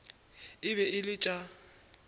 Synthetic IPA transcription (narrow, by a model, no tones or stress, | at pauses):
ɪbɛɪlɪt͡ʃʼa